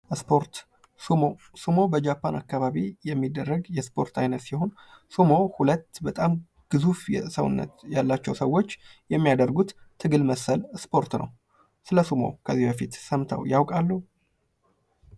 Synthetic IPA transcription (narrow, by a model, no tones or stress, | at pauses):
ʔspʰoɾt̪ | uo | sumo̞bəd͡ʒapːanakːaβaβijɛmːid̪ːərːəɡjɛspʰo̞̰ɾt̪ʰajnət̪siho̞n | sumo̞hulət̪ːbət̪ʼam | ɡ̥ɨzufjɛ̰səwʊ̰nːə̰t̪jalːat͡ʃːɛwsəwːo̞t͡ʃːjɛmːijad̪ərɡut̪t̪ʰːɨɡɨlməsəlspʰo̞ɾt̪nʔə̰w | sɨləsumo̰kʰəzːihbəfit̪səmt̪ʰa̰wjawkʼalːu